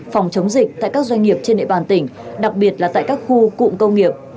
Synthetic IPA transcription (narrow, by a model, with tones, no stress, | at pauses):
fɔ˨˩wŋ͡mt͡ɕə˨˦wŋ͡mzi˨˩k̟̚t̪a̰ː˧˨jkaː˦˥k̚zwa˧jŋ̟ŋi˨˩əp̚t͡ɕe˧nɗḛ˧˨ɓaː˨˩nt̪ï˧˩ŋ̟ɗa˨˩k̚ɓi˨˩ət̚laː˨˩t̪a̰ː˧˨jkaː˦˥k̚xu˧kṵ˧˨ŋ͡mkə˧wŋ͡mŋi˨˩əp̚